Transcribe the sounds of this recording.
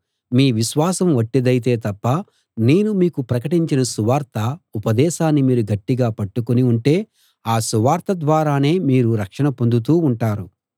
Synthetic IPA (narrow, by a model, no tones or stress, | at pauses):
miːʋiʃʋaːsɐmʋɐʈːed̪ɐjit̪̬e̞ːt̪ɐpːɐ | ne̞ːnumiːkupɾɐkɐʈiɲt͡ʃinɐsuʋaːɾt̪ʰɐupɐd̪ɛːʃaːnːimiːɾuɡɐʈːiɡaːpɐʈːukuniuɳʈe̞ː | aːsuʋaːɾt̪ɐd̪ʋaːɾaːne̞ːmiːɾuɾɐkʂɐɳɐpo̞nd̪ut̪̬uːuɳʈaːɾu